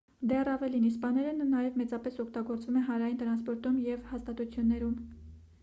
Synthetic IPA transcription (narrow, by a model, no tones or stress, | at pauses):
d̪ɛrɑvɛlinispɑnɛɾənnɑjɛvmɛt͡sɑpɛsɔkʰt̪ɑɡɔɾt͡svumɛnɦɑnɾɑjint̪əɾɑnspɔɾt̪umjɛvhɑst̪ɑt̪ut͡sʰjunːɛɾum